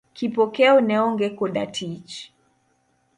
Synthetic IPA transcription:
kipɔkɛɔnɛɔŋɡɛkɔɗa̰tʰit͡ʃ

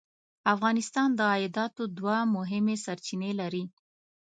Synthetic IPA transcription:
afɣɑnɪst̪ɑnd̪əɑjɪd̪ɑt̪od̪wamʊɦɪmesaɾt͡ʃinelaɾi

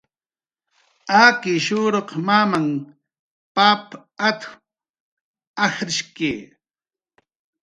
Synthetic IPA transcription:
akɪʃuːɾoqmamaŋ | pap | at̪x | axɾɪʃke

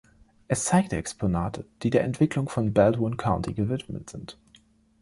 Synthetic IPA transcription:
ʔɛst͡saɪk̚tɛkspʰonaːtʰəd̥iːdeːɐʔɛntv̥ɪklʊŋfɔnbɛltʊnkʰaʊntʰiɡəvɪtmə̰tz̥ɪnt

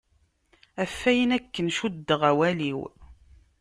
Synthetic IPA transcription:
æfːæjənækːənʃud̪ːəʁæwæliw

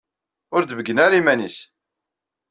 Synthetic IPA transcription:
ʊɾd̪əvəɡːənaɾimænis

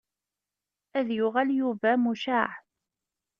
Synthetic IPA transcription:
æðjʊʁaljuvæmuʃaʕ

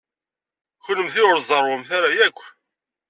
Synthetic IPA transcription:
çʊləmθiʊɾzˤərˤwʊmθaɾajækʷː

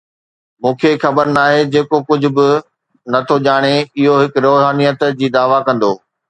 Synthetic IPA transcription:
mũːkʰexɐbəɾnaːɦed͡ʑeːkokʊd͡ʑʱʊ̆bɪ | nɐt̪ʰoʄaːɽ̃eɪɦoɦɪkɾoːɦaːnijət̪d͡ʑiːd̪aːʋakɐ̃nd̪oː

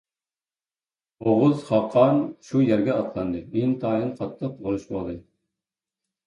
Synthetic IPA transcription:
oʁʊzχɑqʰːɑnʃujæɾɡʲɛɑt̪lˠɑnd̪ɨint̪ʰɑːjɨnqʰɑt̪ʰːəqzoɨʃbɑlˠd̪ɨ

